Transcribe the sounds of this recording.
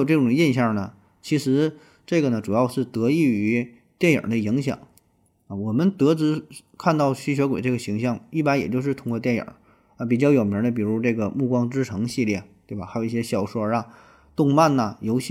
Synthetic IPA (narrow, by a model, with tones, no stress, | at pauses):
ʈ͡ʂɤ˥˩ʈ͡ʂʊ˨˩ŋ˦i˥˧nɕjɑ˥˩nə˩ | t͡ɕʰi˧˥ʂɻ̩˧˥ | ʈ͡ʂɤ˥˩ɡə˩nə˩ʈ͡ʂu˨˩jɑ˥˧ʊʂɻ̩˥˩t̪ɤ˧˥i˥˩y˧˥ | t̪jɛ˥˩njə̰˨˩d̪ə˦i˧˥ŋɕjɑ̰˨˩˦ŋ | ə˧˩wɔ˨˩mə˧˦nt̪ɤ˧˥t͡sɹ̩˧˥ | kʰa˥˧nt̪ɑ˥˩ʊɕy˥ɕɥɛ˧˥kwe˨˩ɪʈ͡ʂɤ˥˩ɡə˩ɕi˧˥ŋɕjɑ˥˩ŋi˥˩pa˥njɛ˨˩t͡ɕjo˥˧ʊʂ̬ɻ̩˥˩t̪ʰʊ˥ŋkwɔ˥˧t̪jɛ˥˩njə̰˨˩˦ | ə˧pi˨˩t͡ɕjɑ˥˩ʊjo˨˩ʊmji˧˥d̪ə˧pi˨˩ɻu˧˥ʈ͡ʂɤ˥˩ɡə˩mu˥˩kwɑ˥ŋʈ͡ʂɻ̩˥ʈ͡ʂʰɤ˧˥ŋɕi˥˧ljɛ˥˩t̪we˥˩ɪba˩xa˧˥jo˨˩ʊi˥˩ɕjɛ˥ɕjɑ˥˩ʊʂwɔ˥ɐ˧ | t̪ʊ˥˧ŋma˥˩nɐ˩jo˧˥ʊɕ